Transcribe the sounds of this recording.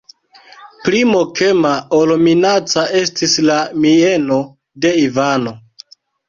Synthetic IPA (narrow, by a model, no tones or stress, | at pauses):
plimokʰe̞maolominat͡saʔe̞stislamieno̞ | de̞ivano̞